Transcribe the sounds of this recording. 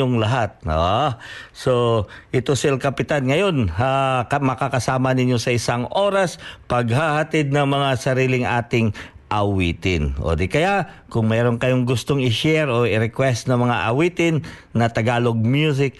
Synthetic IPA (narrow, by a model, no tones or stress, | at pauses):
oŋlɐɦat̪̚o | soʔɪt̪osɪlkɐpɪt̪anŋɐjo̞namɐkakɐsaːmɐnɪnjo̞sɐʔɪsaŋʔo̞ːɾɐspɐɡhahɐt̪ɪd̪̚nɐŋmɐŋasɐɾiːlɪŋʔa̰ːt̪ɪŋ | ʔɐwiːt̪ɪnʔo̰ːd̪ɪkɐja | kʊŋmɛɾonkɐjoŋɡʊst̪oŋɪʃɛɾoʔɪɾɛkwɛst̪nɐŋmɐŋaʔɐwiːt̪ɪnː | ɐt̪ɐɡaːlo̞ɡ̚mjus̬ɪk̚